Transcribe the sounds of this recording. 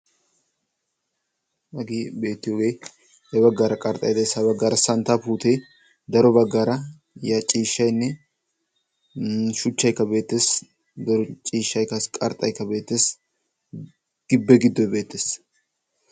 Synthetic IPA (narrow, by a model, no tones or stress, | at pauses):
ɐɡiːbe̞ːt̪ːɪjoːɡe̞ː | hɛbɐɡːaɾɐkʼɐɾt̪ʼɐjd̪esɐbɐɡːɐːɾɐsɐnt̪aːpuːt̪eː | d̪ɐɾɔbɐɡːɐːɾɐ | jɐt͡ʃʼiːʃːɐjnːɛ | ʃʊt͡ʃːɐjkːɐbe̞ːt̪ːeːs | d̪ɐɾɔt͡ʃʼiːʃːɐjkːɐskʼɐɾt̪ʼɐjkːɐbe̞ːt̪ːes | ɡ̥ɪbːɛɡɪd̪ːɔjbe̞ːt̪ːeːs